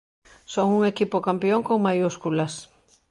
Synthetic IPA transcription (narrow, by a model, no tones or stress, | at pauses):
soŋuŋekipokampjoŋkoŋmajuskulas